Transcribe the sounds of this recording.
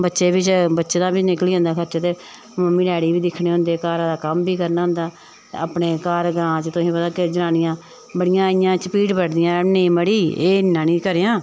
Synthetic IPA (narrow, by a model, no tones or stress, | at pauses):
bətːʃeːbɪt͡ʃbətːʃeːd̪ãːbit͡ʃnɪkliːãːnd̪aːkʰəɾt͡ʃaːt̪eː | məmːiːɖɛːɽiːbiːd̪ɪkʰɽeːɦʊ̃nd̪eːkaːɾãːd̪aːkəmbiːkəɾnaːɦʊ̃nd̪aː | aːpɳeːkaːɾɡɾãːt͡ʃt̪ʊsĩːpət̪aːkɪd͡ʒənaːnɪjãː | bəɽɪjãːɪjãːt͡ʃpiːʈbəɽd̪ɪjãːneĩːməɽiːeːɪnːãːnĩːkəɾeːjãː